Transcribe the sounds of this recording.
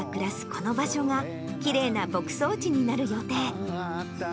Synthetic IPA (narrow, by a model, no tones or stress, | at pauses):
kɯ̟ɾasɨ̥ko̞no̞baɕo̞ŋa | kʲiɾe̞ːnabo̞kɯ̟̥so̞ːt͡ɕiɲ̟inaɾɯ̟jo̞t̪e̞ː